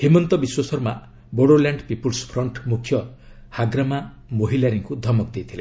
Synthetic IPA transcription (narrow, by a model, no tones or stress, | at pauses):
himɔnt̪ɔbiswɔsɔɾma | boɽolaɳɖpipulspʰɾɔɳʈmukʰːjɔ | haɡɾama | moɦilaɾiŋkud̪ʱɔmɔk̚d̪ejt̪ʰile